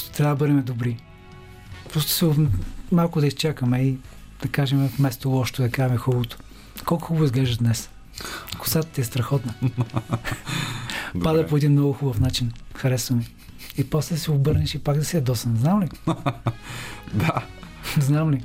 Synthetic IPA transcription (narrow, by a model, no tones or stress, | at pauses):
st̪o̥t̪ɾʲavd̪əbəɾɛmɛd̪obɾi | pɾɔst̪ʊ̥sɛomalˠkʊd̪ɐist͡ʃakəmɛi | d̪̥ɐkaʒɛmɛfmɛst̪olˠɔʃt̪od̪ɐkamixubot̪o̥ | kɔlˠkʊxuboizɡlɛʒd̪ɐd̪nɛs | ɐkʊ̥sat̪ət̪iɛst̪ɾɐxɔt̪nə | pad̪əpoɛd̪imnɔɡʊxubɐfnat͡ʃinxɐɾɛsnɐmi | ipɔslɛd̪ɐsɛobɤɾnɛʃipaɡd̪ɐsiɐd̪ɔsɐnznamli | d̪a | znamli